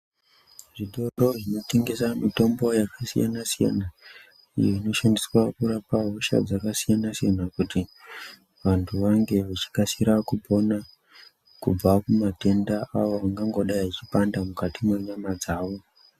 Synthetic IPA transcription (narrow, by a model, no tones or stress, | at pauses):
ʐiɗoɾo̞ʐino̞te̞ŋɡe̞samito̞mbo̞jakasija̰nasija̰na | ḭjoino̞ʃandiswakuɾapaɦoʃa̰d͡zakasijanasijanakuti | ʋantʰuʋaŋɡe̞ʋat͡ʃi̥kasiɾakupo̞na | kub͡vakumate̞ndaʔaʋoaŋɡaŋɡo̞ɗajit͡ʃipandamukatimwe̞ɲamad͡zaːʋo̞